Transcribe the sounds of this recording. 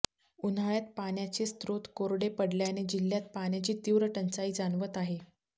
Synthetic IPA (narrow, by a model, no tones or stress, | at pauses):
unaɭjat̪̚panjat͡ɕeːst̪ɾot̪koɾɽepəɽljaned͡ʑilːjat̪̚panjat͡ɕiːt̪iʋɾəʈənt͡saiːd͡zanʋət̪aɦe